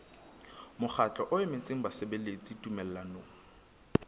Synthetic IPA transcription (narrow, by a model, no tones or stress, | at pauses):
mʊχʰat͡ɬʼɔʔʊɪmɪt͡sʼeŋ̩basebelet͡sʼitʼumɛlɛlanoːŋ̩